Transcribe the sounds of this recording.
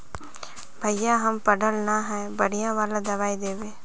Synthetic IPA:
bʱɐjːaɦɐmpəɽəlnaɦɛːbəɽ̤ijãʋaːlad̪ɐʋaːid̪eːʋeː

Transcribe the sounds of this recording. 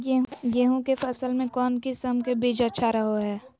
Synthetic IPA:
ɡeːɦõkepʰɐsəlmẽkɔːnkɪsəmkebeːd͡ʒətːʃʰaɾəɦoɦɛː

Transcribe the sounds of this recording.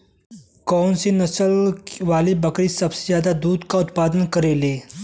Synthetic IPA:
kɔːnsenɐsəlʋaːlibɐkɾisɐbsezjaːd̪ad̪uːd̪kaʊt̪paːd̪ənkɐɾeːleː

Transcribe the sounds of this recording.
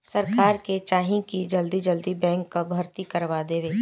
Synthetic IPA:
sɐɾkaːɾket͡ʃaːɦĩkid͡ʒɐld̪id͡ʒəld̪ibɛ̃ːŋkːabʱɐɾt̪ikɐɾʋad̪eːʋeː

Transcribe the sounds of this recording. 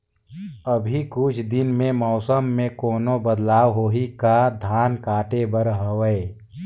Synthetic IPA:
əbʱikʊt͡ʃʰd̪ɪnmẽmɔːsəmːẽkoːnobəd̪laːwɦoːɦikad̪ʱaːnkaːʈebəɾɦəʋəe

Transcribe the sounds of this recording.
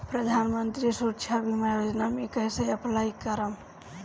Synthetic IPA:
pɾəd̪ʱanmənt̪ɾisutːt͡ʃʰabimajod͡ʒnamikəjsəəplaikəɾəm

